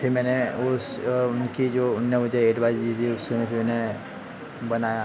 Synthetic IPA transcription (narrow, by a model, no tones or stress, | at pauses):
pʰɪɾmɛːneʊsʊnkid͡ʒoːʊnːebɐd͡ʒəɦeːɖʋaːɪzd̪it̪ʰiʊsemẽpʰɪɾmɛːne | bɐnaːja